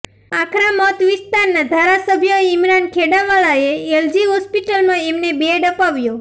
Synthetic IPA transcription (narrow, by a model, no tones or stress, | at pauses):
akʰɾamɔt̪ʋist̪aɾnad̪ʱaɾasəbʱjəimɾankʰeɽaʋaɭaeeld͡ʒiɦɔspiʈəlmãemnebeɖəpaʋjo